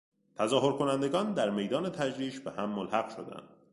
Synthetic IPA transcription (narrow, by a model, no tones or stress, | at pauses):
t̪ʰæzɒːɦo̞ɾkʰo̞nænd̪e̞ɡɒːnd̪æɾme̞jd̪ɒːne̞t̪ʰæd͡ʒɾiːʃbehæmːolhæɣʃo̞̰d̪æ̰nd̪̥